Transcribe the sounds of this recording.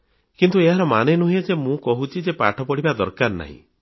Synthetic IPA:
kint̪ueɦaɾɔmanenuɦied͡ʒemũkɔɦut͡ʃʰid͡ʒepa̰ʈʰɔpɔɽibad̪ɔɾkaɾna̰ɦḭ̃

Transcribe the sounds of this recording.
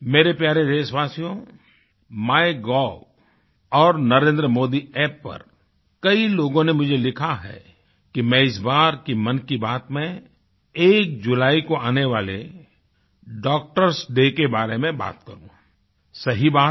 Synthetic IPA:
meːɾepjaːɾed̪eːʃʋaːsijõ | maːeɡɔː | ɔːɾnɐɾẽːnd̪ɾəmoːd̪iɛːpːɐ̰ɾ | kɐiloːɡõnemʊd͡ʒʱelɪkʰaɦɛ̰ː | kimɛ̃ɪsbaːɾkimɐ̃nkibaːt̪mẽ | eːk̚d͡ʒʊlaːikoaːneʋaːlḛ | ɖɔːk̚ʈəɾsɖekebaːɾemẽba̰ːt̪̚kɐ̰ɾṵ̃ | sɐɦibaːt̪̚

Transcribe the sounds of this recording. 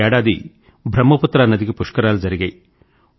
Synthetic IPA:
ɛːɽaːd̪ḭ | bʱɾɐmːɐput̪ːɾaːnːɐd̪iɡipuʂkɐɾaːlud͡ʒɐɾiɡɐj

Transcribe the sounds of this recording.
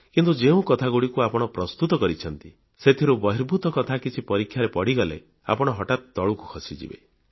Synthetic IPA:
kint̪ud͡ʒeũkɔt̪ʰaɡuɽikuapɔɽ̃ɔpɾɔst̪ut̪ɔkɔɾit͡ʃʰɔnt̪i | set̪ʰiɾubɔɦiɾbʱut̪ɔkɔt̪ʰakit͡ʃʰipɔɾikʰːjaɾepɔɽiɡɔlḛ | a̰pɔɽ̃ɔɦɔʈat̪d̪ɔɭuku̥kʰɔsid͡ʒḭbḛ

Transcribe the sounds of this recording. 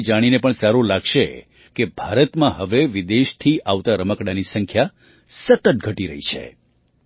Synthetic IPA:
d͡ʒaɽ̃inepəɳsaɾulaɡʃe | kebʱaɾət̪mãɦəʋeʋid̪eʃt̪ʰiaʋt̪aɾəməkɽanisəŋkʰja | sət̪ət̪̚ɡʱəʈiɾə̰ɦḭt͡ʃʰḛ

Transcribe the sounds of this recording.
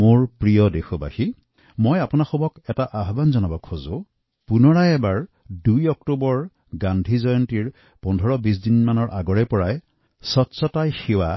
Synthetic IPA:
moɹpɹijɔdexɔba̰xi | mojapʊnaxɔmɔkɛtaʔaɦbanzɔnɔbɔkʰːɔzʊ | punɔɹajɛbaɹ | dujɔk̚tubɔɹ | ɡandʱizɔjɔntiɹ | pɔndʱɔɹɔbis̬dinmanɔɹʔaɡɔɹɛpɔɹaj | sɔtsɔtajxiwa

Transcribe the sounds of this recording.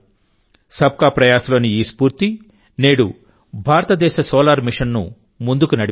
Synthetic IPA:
sɐb̚kaːpɾɐjaːsɐlo̞ːniiːspuːɾt̪i | ne̞ːɽu | bʱaːɾɐt̪ɐd̪ɛːʃɐsoːlaːɾmiʂɐnːṵ | mund̪ukunɐɽi

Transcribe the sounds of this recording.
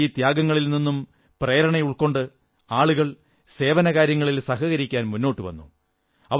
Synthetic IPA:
iːt̪jaːɡɐŋːɐɭilninːum | preːɾɐɳɐjuɭko̞ɳɖɨ | aːɭuɣɐɭ | se̞ːʋɐnɐɣaːɾjɐŋːɐɭilsɐhɐɣɐɾikʲːaːnmunːo̞ːʈːɨʋɐ̰nːu | ɐʋ

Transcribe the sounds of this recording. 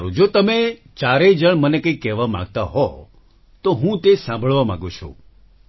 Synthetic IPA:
ɾũd͡ʒot̪əme | t͡ʃaɾed͡ʒəɳmənekə̃ĩkɛʋamã̰ɡ̚t̪aɦɔ | t̪oɦũt̪esãmbʱəɭʋamã̰ɡõt͡ʃʰṵ̃

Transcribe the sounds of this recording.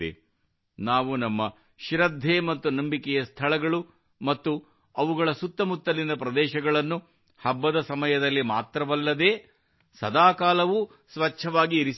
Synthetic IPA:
ḛ | naːʋunɐmːɐ | ʃɾɐd̪ʱːeːmɐt̪ːunɐmbikɛjɐst̪ʰɐɭɐɡɐɭu | mɐt̪ːu | ɐʋuɡɐɭɐsut̪ːɐmut̪ːɐlind̪ɐpɾɐd̪ɛːʃɐɡɐɭɐnːu | hɐbːɐd̪ɐsɐmɐjɐd̪ɐlːimaːt̪ɾɐʋɐlːɐd̪e̞ː | sɐd̪aːkaːlɐʋu | sʋɐt͡ʃːʰɐʋaːɡiːɾis

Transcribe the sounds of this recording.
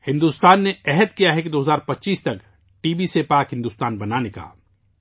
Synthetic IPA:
hɪ̃nd̪uːst̪aːnːeɛɦɛd̪kijaɦɛkid̪oːɦəzaːɾpɐtːʃiːst̪ɐk | ʈiːbisepaːkɦɪ̃nd̪uːst̪aːnbɐnaneka̰ː

